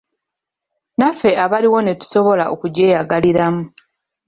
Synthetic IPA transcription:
nafe̞aβaliwo̞ne̞tu̥so̞βo̞laʔokuɟe̞ːjaɡaliɾamu

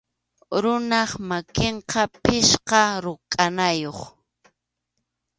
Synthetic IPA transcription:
ɾʊnɑχmakeɴqɑpɪʃqɑɾʊkʼanajoχ

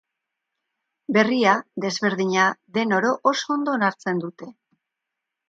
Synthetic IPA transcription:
be̞riaðe̞zβe̞ɾðiɲaðe̞no̞ɾo̞ʔoso̞ond̪o̞ːnaɾt͡se̞nd̪ut̪e̞

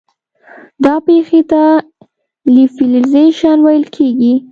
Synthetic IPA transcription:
d̪ɑpexet̪a | lifilizeʃɑnwajəlkʰeɡi

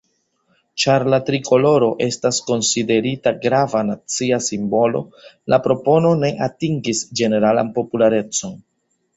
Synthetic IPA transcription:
t͡ʃaɾlatɾikʰo̞lo̞ɾo̞ʔe̞stasko̞nside̞ɾitaɡɾavanat͡siasimbo̞lo̞̰lʔapɾo̞po̞no̞ne̞ʔatiŋɡisd͡ʒe̞ne̞ɾala̰npo̞pulaɾe̞t͡so̞n

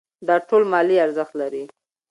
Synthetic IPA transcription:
d̪ɑʈolmɑliaɾzəxt̪laɾi

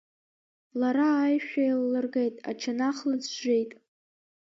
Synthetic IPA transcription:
laɾaːjʃᶣailːɨrɡe̞jtʼa̰t͡ʃʰanaχlɨd͡zʒejtʼ

